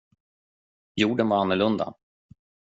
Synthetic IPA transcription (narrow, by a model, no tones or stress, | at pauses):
juːɖənvaɾanːʊɭɵnd̪a̰